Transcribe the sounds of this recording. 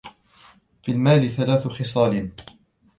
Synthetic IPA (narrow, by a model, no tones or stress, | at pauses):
filmaːliθalaːθʊxɪsˤɑːlɪn